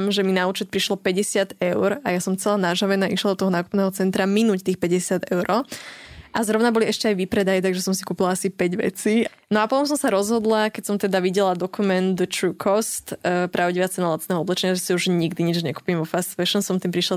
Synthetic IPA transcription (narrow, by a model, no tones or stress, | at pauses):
mʒɛminauːt͡ʃɛt̪̚pɾiʃlɔpɛɟɛsɪad̪ɛʊɾajasɔmt͡sɛlaːnaʒaʋɛnaːʔiʃlad̪ɔt̪ɔɦɔnaːku̥pnɛːɦɔt͡sɛnt̪ɾaminuːct̪iːxpɛɟɛsɪad̪ɛʊɾɔ | ʔazɾɔʊnabɔliɛʃcɛajʋipɾɛd̪ajɛt̪aɡʒɛsɔmsi̥kuːpilaasipɛɟʋɛ̰t͡siː | nɔapɔt̪ɔms̬ɔmsaɾɔzɦɔd̪lakɛcsɔmt̪ɛd̪aʋiɟɛlad̪ɔkumɛnt̪ːət̪ɾuːkʰɔst̪ːpɾaʊɟiʋat͡sɛnalast̪nɛːɦɔɔb̪lɛt͡ʃɛɲɪaʒɛsiuʒɲiɡd̪iɲid͡ʒɲɛku̥ːpimʋɔfast̪fɛʃɔnsɔmt̪impɾiʃla